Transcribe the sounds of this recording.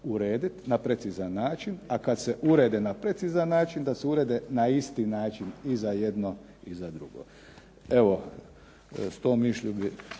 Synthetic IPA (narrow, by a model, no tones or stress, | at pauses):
uɾe̞ːd̪it̪napɾe̞t̪sizanːaːt͡ʃinakad̪seʔuɾe̞ːd̪enapɾe̞t̪sizanːaːt͡ʃind̪aseuɾeːd̪enaist̪iːnaːt͡ʃinizaje̞d̪no | izad̪ɾuɡo̰ | e̞ʋo̞ | st̪oːmiʃʎubi